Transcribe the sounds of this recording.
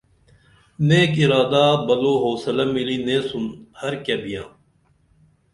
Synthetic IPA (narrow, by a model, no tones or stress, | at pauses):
neːkiɾaːd̪aːbɐloːɦoːsɐlɐmːiliːnẽːsunhɐɾkebijã̰ː